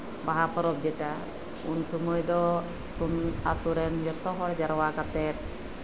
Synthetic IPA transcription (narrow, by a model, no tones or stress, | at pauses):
baɦapəɾɔp̚d͡ʒɛʈa | unsumɔjd̪ɔ | t̪unat̪uɾɛnd͡ʒɔt̪ɔɦɔɾd͡ʒaɾwakat̪ɛt̪̚